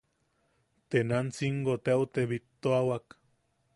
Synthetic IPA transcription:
t̪enant͡siŋɡot̪ewt̪eβit̪ːoawak

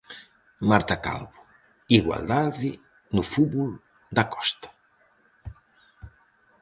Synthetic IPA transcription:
maɾt̪aka̰lβu | iɣwa̰ld̪aði | nufuβul | d̪akɔ̥st̪ḁ

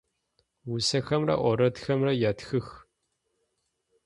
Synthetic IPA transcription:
wusɐxɐmrɐ̰ʔʷɔɾɐtxɐmrɐjaːtxɨx

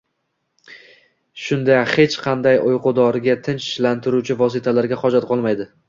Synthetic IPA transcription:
ʃʊnd̪ahe̞t͡ʃqʰɑnd̪ajʔojqʊd̪ɒɾɡʲat̪ʰɪnt͡ʃɪʃlant̪ʰɪɾut͡ʃʰɪvɒs̬ɪt̪ʰalaɾɡʲaχɒd͡ʒat̪̚qʰɒlˠmajd̪ɪ

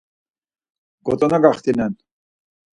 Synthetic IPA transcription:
ɡɔ̰t̪ʼɔnaɡaχt̪inɛn

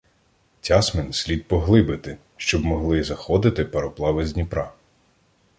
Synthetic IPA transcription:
tʲɑsmensʲlʲid̪̚pɔɦlˠɪbɪt̪ɪ | ʃt͡ʃɔbmɔɦlˠɪzɐxɔd̪ɪt̪ɪpeɾɔplˠɑʋezʲnʲipɾɑ

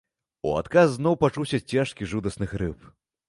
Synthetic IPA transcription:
ṵa̰t̪kasːnɔwpat͡ʂuwsʲɐt͡sʲːaʂkʲiʐud̪ɐsnɨxɾɨp

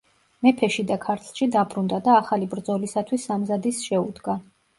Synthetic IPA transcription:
mɛpʰɛʃid̪akʰaɾt̪ʰlˠʃid̪abɾund̪ad̪aːχalibɾd̪zɔlisat̪ʰwisːamzad̪isʃɛud̪ɡa

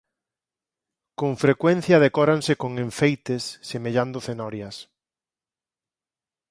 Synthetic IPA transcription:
koɱfɾekwen̟θjɐðekɔɾansɪkoŋeɱfejt̪esːemeʎand̪ʊθenɔɾjɐs

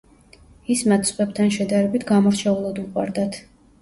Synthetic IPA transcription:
ismat̪ʰsʼqʼɛb̚t̪ʰanʃɛd̪aɾɛbit̪ʰɡamɔɾt͡ʃʰɛulˠad̪uqʼwa̰ɾd̪at̪ʰ

